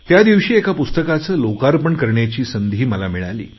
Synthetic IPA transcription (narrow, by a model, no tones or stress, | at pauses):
t̪jad̪iʋɕiːekapust̪əkat͡səːlokaɾpəɳkəɾɳjat͡ɕiːsənd̪ʱiːməlamiɭa̰lḭː